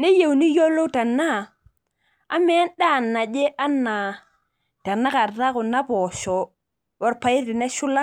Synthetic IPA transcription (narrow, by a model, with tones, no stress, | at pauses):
ne˦je˨wni˦jɔ˦lo˦ta˨na˦˨ | a˦mɛ˦nda˦˨nːa˨d͡ʒe˦ʔa˦na˨ | ta˨na˦ka˨ɾta˦kʊ˨na˦pɔ˨ʃɔ˨ | wɔ˨˦ɾpa˨ɪ˦tɪ˨nɛ˦ʃʊ˦la˦